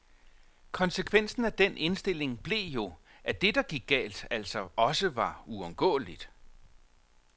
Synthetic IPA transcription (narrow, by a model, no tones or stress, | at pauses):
kʰɒ̽nsəkʰʋen̰sn̩æd̥enʔe̝nsd̥e̝le̝ŋb̥le̝jo̝ʔæd̥e̝d̥ɑ̈ɡ̥iɡ̥̚ːɛ̰ːld̥æl̰sɒ̽ʔɒ̽səʋɑ̈uɒ̽mɡ̥ɔ̰ːlid̥